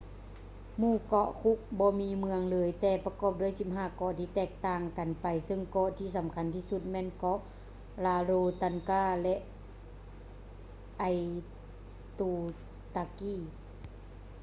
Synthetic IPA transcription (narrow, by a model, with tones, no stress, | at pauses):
muː˧˩˨kɔ˧ʔkʰu˧˦˥k̚bɔː˧˦miː˧˦mɯ˧əŋlɤː˨˦jt̪ɛː˧˩pa˧kɔː˧˨p̚du˧˩əjsi˧˦p̚ɦaː˧˩˨kɔ˧˨t̪ʰiː˧˩t̪ɛː˧˩k̚t̪aː˧˩ŋka˨npa˨˩jsɤ˧˨ŋkɔ˧˨ʔt̪ʰiː˧˨sa˨˦mkʰa˧˥˨nt̪ʰiː˧˨su˧˦t̪̚mɛː˧˥˨nkɔ˧˥ʔ | laː˧loː˧t̪a˧nkaː˧˩˨lɛ˧ʔ | ʔa˧j | t̪uː˧ | t̪aː˧kiː˧˩˨